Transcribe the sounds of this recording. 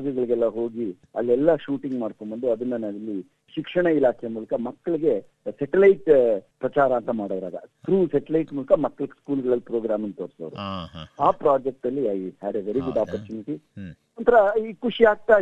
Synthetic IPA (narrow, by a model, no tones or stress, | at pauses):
ɡɐɡɐɭiɡɛlːɐɦo̞ːɡi | ɐ̰lːɛlːɐʃuːʈiŋɡmaːɽkombond̪uɐd̪ɐnːɐnɐlːi | ʃikʂɐɳɐilaːkʰɛjmuːlɐkɐmɐkːɐɭiɡe̞ | sɛʈɛlɐjʈpɾɐt͡ʃaːɾɐːnt̪ɐmaːɽoʋɐɾa̰ːɡɐ̰t̪ʰɾuːsɛʈɛlɐjʈmuːlɐkɐmɐkːɐɭikskuːlɡɐɭɐlːipɾoːɡɾaːmɐnt̪oːɾsoʋɾṵaːpɾaːd͡ʒek̚ʈɐlːiɐjhæːɖeʋeɾiɡuɖaːpɐɾt͡ʃuːniʈi | ɐnt̪ʰɐɾɐikuʂiaːɡ̚t̪aː